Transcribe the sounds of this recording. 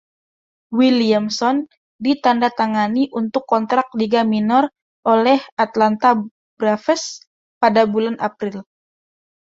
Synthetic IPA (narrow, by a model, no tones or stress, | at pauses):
wiliamsɔn | dit̪andat̪aŋaniʔunt̪ʊkːɔnt̪ɾak̚diɡaminɔr | ʔolɛhat̪lant̪a | bɾafɛs | padabulanʔapɾɪl